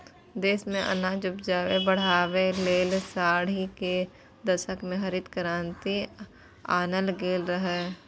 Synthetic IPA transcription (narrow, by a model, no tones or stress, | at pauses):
d̪eːsmẽʔɐ̰naːd͡ʒʊpd͡ʒaːʋebəɽ̤aːʋeleːlsaːɽ̤ike | d̪ɐʃəkmẽɦɐɾɪd̪kəɾaːnt̪i | aːnəlɡeːlɾəɦɛː